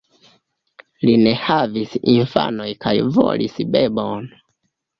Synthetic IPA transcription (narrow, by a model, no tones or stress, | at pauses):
line̞havisinfa̰no̞jkajvo̰lisbe̞bon